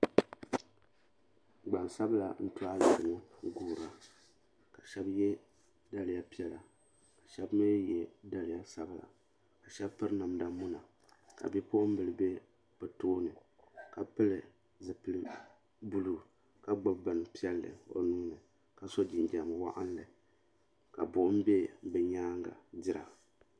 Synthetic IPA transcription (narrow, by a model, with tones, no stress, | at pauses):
ɡ͡ba˨n˨sa˦bla̰˨n̩˦tu˦a˦˨zʊ˨mu˦ɡuː˦˨ɾa˦ | ka˨ʃɛ˦bjɛ˦ | da˨lɪ˨ja˦pi˦ɛ˨la˨ | ka˨ʃɛ˦bme˦jɛ˦da˨lɪ˨ja˦sa˦bla̰˨ | ka˨ʃɛ˦bpɨ˦ɾna˨mda˦mu˦na˨ | ka̰˨bɛ˦po˦ʔm̩˦bɨ˨lɨ˨be˦ | pɨ˨toː˦nɨ˨ | ka˨pɨ˦lɨ˨ | zɨ˨pɨ˦lɨ˦ | bu˦lu˦ | ka˦ɡ͡ba˦bbɨ˨n˨pi˦ɛ˦lːɨ̰˨o̰˨nuː˦nɨ˨ | ka˨so˦d͡ʒi˨nd͡ʒa˨m˨wa˦ʔa˦n˦lɨ˨ | ka˨bʊ˨ʔʊ˦m̩˦be˦bɛ˨ɲaː˦ŋɡa̰˨dɪ˦ɾa̰˨